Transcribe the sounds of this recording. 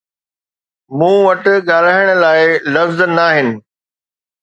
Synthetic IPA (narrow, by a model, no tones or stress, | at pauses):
mũːʋɐʈ̆ɠaːl̤aːɪɽ̃ə̆laːɪlɐfznːaːɦɪnɪ̆